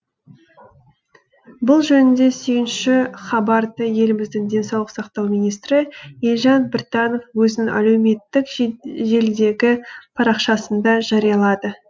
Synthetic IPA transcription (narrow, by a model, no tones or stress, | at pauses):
bʊlˠʒɵnɪnd̪e̞se̞ɡʲɪnʃɪχɑbɑɾd̪əje̞lɪmɪzd̪ɪŋd̪e̞nsɑwlˠəqsɑqt̪ɑwmijnijst̪ɾɪelʒɑnbɪrt̪ɑno̞fwɵznɪŋæ̰le̞wme̞t̪ːɪkʒe̞ld̪e̞ɡʲɪpʰɑɾɑqʃɑsənd̪ɑʒɑɾijɑlˠɑd̪ə